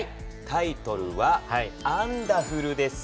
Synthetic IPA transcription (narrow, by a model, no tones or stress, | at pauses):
i | t̪ait̪o̞ɾɯ̟βaãnd̪aɸɯ̟ɾɯ̟d̪e̞sɨ̥